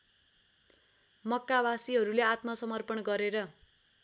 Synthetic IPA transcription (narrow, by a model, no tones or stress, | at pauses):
mʌkːawasiɦʌɾuleat̪mʌsʌmʌrpʌnɡʌɾeɾʌ